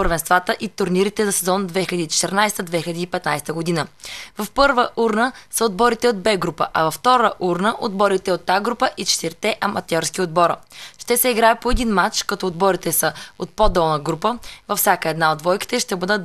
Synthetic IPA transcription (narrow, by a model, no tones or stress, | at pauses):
pəɾvɛnst̪vat̪əʔit̪ʊɾniɾit̪ɛzɐsɛzɔnəd̪vɛxilʲɛd̪it͡ʃɛ̥t̪ɛɾnajst̪əd̪vɛxilʲɛd̪iːpɛt̪najst̪əɡod̪inəvɐfpɤɾvəʔuɾnəsəod̪̚bɔɾit̪ɛod̪̚bɛɡɾupə̰ʔɐvɐft̪ɔɾəʔuɾnəʔod̪bɔɾit̪ɛot̪ːaɡɾupəʔit͡ʃɛ̥t̪iɾt̪ɛʔɐmɐt̪ɔɾskiod̪̚bɔɾʃt̪ɛsɛiɡɾajət̪̚poɛd̪inmat͡ʃkɐt̪ɔod̪bɔɾit̪ɛsəot̪̚pɔd̪ɔlˠnəɡɾupəvɐfsʲjakəɛd̪naod̪vɔjki̥t̪ɛʃt̪ɛbɤd̪ə